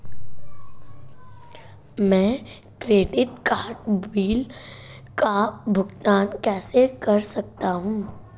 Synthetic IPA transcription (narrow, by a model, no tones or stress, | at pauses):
mɛ̃ː | kɾeːɖɪʈkaːɾʈwiːl | kabʱʊɡt̪aːnkɛːsekɐɾsɐk̚t̪aɦũː